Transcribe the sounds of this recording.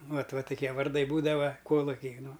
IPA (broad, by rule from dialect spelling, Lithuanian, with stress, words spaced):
ˈʋɐt ˈʋɐ tʊˈkʲiɛ ʋɐrˈdɐɪ ˈbuːdɐʋɐ ˈkoːlˠʊkʲɪ ˈnʊ